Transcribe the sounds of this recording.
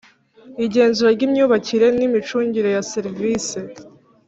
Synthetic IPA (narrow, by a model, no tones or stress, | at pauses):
iɟe̞ːnzuɾaɾɟimɲuːβaciɾe̞nimit͡ʃuːɲɟiɾe̞jaseɾviːse